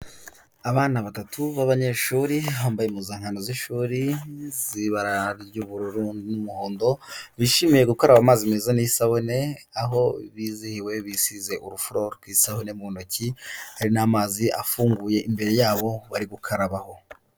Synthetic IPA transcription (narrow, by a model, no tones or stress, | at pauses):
aβaːnaβatatʰuβaβaɲe̞ʃuɾiβaːmbajemuzaːŋhanoziʃuːɾiziβaɾaɾjuβuɾɾuːndinumuho̞ːndo̞βiʃimije̞ɡukoɾaβamaːzimeːzaniisaβone̞aɦo̞βizihiwe̞βisize̞ʔuɾufɾo̞ɾɡwiːsahone̞muonocʰihaɾinamaːziʔa̰fuːŋɡuːje̞ʔimbe̞ɾe̞jaːβo̞βaɾiɡukʰaɾaβaho̞